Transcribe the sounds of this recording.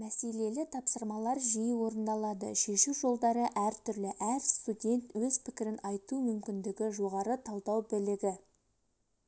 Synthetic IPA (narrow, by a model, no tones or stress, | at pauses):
mæse̞le̞lɪt̪ʰɑpsəɾmɑlˠɑɾʒijwo̞ɾənd̪ɑlˠɑd̪ə̰ʃe̞ʃuwʒo̞lˠd̪ɑɾəʔæɾt̪ʰʏɾlɪʔæɾst̪udʲe̞nt̪wɵz̥pʰɪkʲɪɾɪnɑjt̪umʏmkʲɪnd̪ɪɡʲɪʒo̞ʁɑɾət̪ʰɑlˠd̪ɑwbɪlɪɡʲɪ